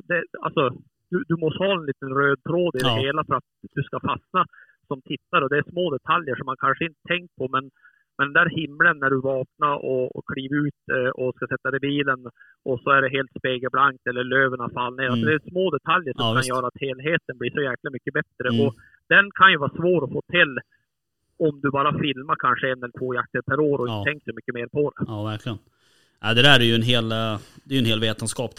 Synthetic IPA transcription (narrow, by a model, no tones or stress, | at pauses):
d̪ɛa̰lsɔ | d̪̥ʉd̪ɵmɔshɑːɛnliːt̪ənɾøːd̪̚t̪ʰɾoːd̪ɪd̪ɛɦeːlafœɾat̪̚d̪ʉskafasna | sɔmt̪ʰɪt̪ːaɾɔd̪ɛæʂmoːd̪ɛt̪ʰaljəʂɔmːankʰanʂəɪnt̪ə̥t̪ʰɛŋk̚pʰɔmɛn | mɛnɛnd̪æːɾhɪmːlənːæɖɵvɑːknaʔɔ̰kʰliːvaʉːt̪ɔskasɛt̪ːaɾɛbiːlən | ʔɔsɔæɖɛɦeːlt̪speːɡəɾblaŋk̚t̪ɛlːəɭøːvənafalːneːɾaɔd̪ɛːsmoːd̪ɛt̪ʰaljəʂɔmkʰanjœːɾaat̪heːlɦeːt̪ənbliːʂɔjæːklamʏkːəbɛt̪ɾəʔɔ | d̪̥ɛnkʰanjɵvɑːsvoːɾɔfoːt̪ʰɪlː | ɔmd̪ɵbɑːɾafɪlmakʰanʂəɛnːɛlːət̪ʰvoːjak̚t̪əɾpʰæɾoːɾɔɪətʰɛŋksɔmʏkːəmeːɾpʰɔd̪ɛvæɾkʰlɪən | æɪd̪ɛd̪æɾɛjɵɛnɦeːld̪ɛjɵɛnheːlveːt̪ənskɑːp